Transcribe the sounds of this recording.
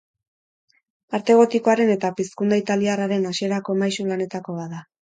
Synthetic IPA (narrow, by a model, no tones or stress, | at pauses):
paɾt̪e̞ɣ̞o̞t̪iko̞aɾe̞ne̞t̪apiskund̪ait̪aliaraɾe̞naʃie̞ɾako̞majsulane̞t̪ako̞βaða